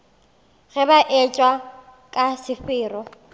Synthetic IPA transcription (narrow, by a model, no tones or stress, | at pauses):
ɣɛbaʔɛt͡ʃʼwa | kʼasɪfɪːrɔ